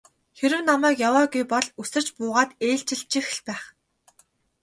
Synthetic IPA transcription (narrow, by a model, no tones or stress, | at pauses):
xeɾɘ̆wnamæːkjawaːɡujpɔɮusɘ̆r̥t͡ɕpʊːʁaːt̪eːɬt͡ɕɪ̆ɬt͡ɕĭx̆ɮpæːχ